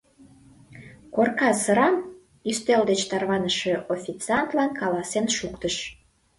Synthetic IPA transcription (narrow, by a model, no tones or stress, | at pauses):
korkɑsəɾɑm | yst̪eld̪et͡ɕt̪ɑrβɑnəʃe̽ʔofʲit͡sɑnt̪lɑnkɑlɑsenʃukt̪əʃ